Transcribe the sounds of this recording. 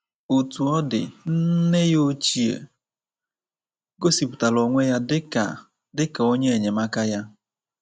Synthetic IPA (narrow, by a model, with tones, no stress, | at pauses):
o˨tu˨ɔ˦dɪ̰˨n̩˦ne˦jo˦t͡ʃi˦ḛ˨ | ɡo˦si˨pu̥˨ta˨lo˨ŋʷe˦ja˦dɪ˦a˨ | dɪ˦ka˨o˦ɲe˦e˨ɲe˨ma˦ka˦ja˦